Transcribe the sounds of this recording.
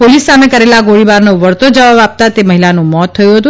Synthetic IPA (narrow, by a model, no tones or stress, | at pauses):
polisːamekəɾelaɡoɭibaɾnoʋəɾt̪od͡ʒəʋabap̚t̪at̪eməɦilanũmɔt̪ʰːəjũɦət̪ũ